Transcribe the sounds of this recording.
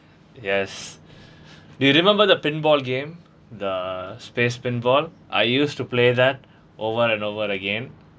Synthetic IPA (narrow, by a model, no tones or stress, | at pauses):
jɛs | ɖujuɾɪmɛ̃mbəɾd̪əpɪ̃nbɔːlɡẽːm | d̪əspeːspɪ̃nbɔːl | ʔa̰ɪjuːsʈupleːd̪æʈ̚ | ʔoːʋəɾɛ̃ɳɖoːʋəɾəɡẽn